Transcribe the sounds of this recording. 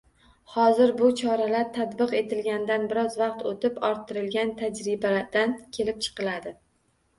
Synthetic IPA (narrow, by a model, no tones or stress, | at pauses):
hɒzɪɾbʊt͡ʃʰɒɾalaɾt̪ʰat̪bɨqe̞t̪ʰɪlɡʲanɪd̪anbɪɾɒzvɑqt̪ʰot̪ʰɪpɒɾt̪ʰːɪɾɪlɡʲant̪ʰad͡ʒɾɪbad̪ankʲʰe̞lɪp̚t͡ʃʰɨ̥qɨlad̪ɪ